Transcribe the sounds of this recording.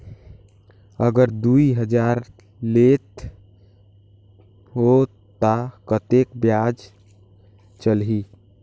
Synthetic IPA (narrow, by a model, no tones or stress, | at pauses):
əɡəɾd̪uiɦəd͡ʒaɾ | let̪ | ɦo | t̪akət̪ekbjad͡ʒ | t͡ʃəlɦi